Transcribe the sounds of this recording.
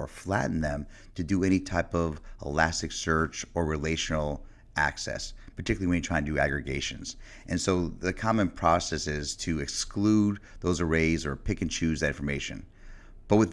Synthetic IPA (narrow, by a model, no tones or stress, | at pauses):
ə˞flæ̰ʔn̩ðɨ̃m | tʰɨdɨɛɾ̃itʰaɪpʌvə̰læsɨksɜ˞t͡ʃə˞ɹɨleɪʃnl̩ˠ | ʔæ̰ksɛ̰spʰə̥˞tʰɪkjl̩ˠiwɨ̃njɨtʰɹ̥aɪɨ̃ndɨæ̰ɡɹɨɡeɪʃɨ̰̃nz̥ | ʔɨ̃nsoʊðɨkʰɑmə̃npʰɹ̥ɔsɛsɪz̥tʰɨɨksklud̪̚ðoʊzə˞eɪzə˞pʰɪkɨ̃nt͡ʃʰʉzðɨɾɪ̃nɱfə˞meɪʃɨ̰̃n | b̥ʌt̚wɨð